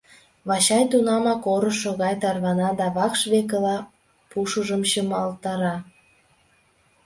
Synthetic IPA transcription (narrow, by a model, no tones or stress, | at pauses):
βɑɕɑjt̪unɑmɑkoɾə̆ʃːoɣɑjt̪ɑrβɑnɑd̪ɑβɑkʃβekəlɑ | puʃuʒəmɕəmɑlt̪ɑɾɑ